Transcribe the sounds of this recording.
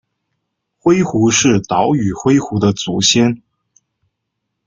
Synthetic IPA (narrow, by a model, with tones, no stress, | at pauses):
xwe˥ɪxu˧˥ʂɻ̩˥˩t̪ɑ˧˥ʊy˨˩xwe˥ɪxu˧˥d̪ə˧t͡su˧˥ɕjɛ˥n